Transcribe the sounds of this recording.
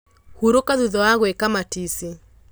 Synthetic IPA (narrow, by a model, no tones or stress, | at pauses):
huɾokaðuðɔwaɣwekamatisi